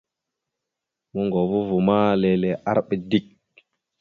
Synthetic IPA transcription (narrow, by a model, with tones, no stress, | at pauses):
mu˦ŋɡo˨vu˦vu˨ma˦le˨lɛ˨ʔa˦ɾɓɛ˨di˦k̚